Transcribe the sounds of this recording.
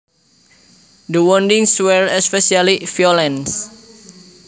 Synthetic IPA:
dəwɔndĩŋswɛɹɛspɛsialifiɔlɛ̃ns

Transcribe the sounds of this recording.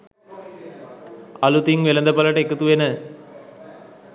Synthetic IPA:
ɐlut̪iŋʋelɐnd̪ɐpɐlɐʈekːɐt̪uʋenɨ

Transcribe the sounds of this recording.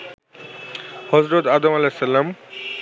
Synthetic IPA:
hɔzɾod̪aːd̪omɐlesːɐlam

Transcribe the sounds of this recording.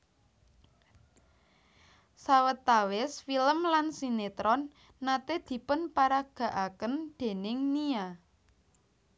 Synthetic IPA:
sawət̪awɪsfiləmlansinet̪ɾɔnː | at̪ed̪̥i̤pʊnpaɾaɡ̥ä̤ʔakənd̪̥e̤nɪŋnia

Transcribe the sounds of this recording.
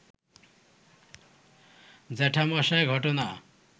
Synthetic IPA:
d͡zɛʈʰamʌsaɡʱʌʈona

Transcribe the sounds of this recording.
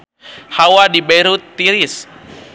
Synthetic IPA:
hawadibeɾut̪ːiɾis

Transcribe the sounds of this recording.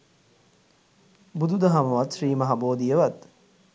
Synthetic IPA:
bud̪ud̪ɐɦɐmɐʋat̪ʃriːmɐɦɐboːd̪ijəʋat̪

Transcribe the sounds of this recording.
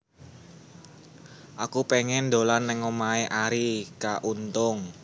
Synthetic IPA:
ʔakupeŋɛnd̪olanːɛŋomaeʔaɾikaʔunt̪ʊŋ

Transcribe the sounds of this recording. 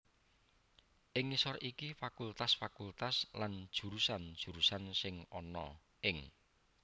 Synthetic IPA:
ʔɪŋisɔrikifakult̪asfakult̪asland̥ʒ̥ṳɾusand̥ʒ̥ṳɾusansɪŋɔnɔ | ʔɪŋ

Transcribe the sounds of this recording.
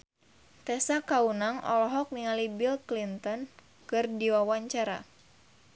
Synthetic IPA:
t̪ɛsakaunaŋʔɔ̰lɔɦɔk̚niŋalibilklint̪ɔn | kɨrdiwawaɲt͡ʃaɾa̰

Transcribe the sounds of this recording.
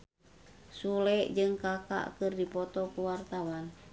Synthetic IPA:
sulɛʔd͡ʒɨŋkaka̰ʔkɨrdipɔt̪ɔkuwart̪awan

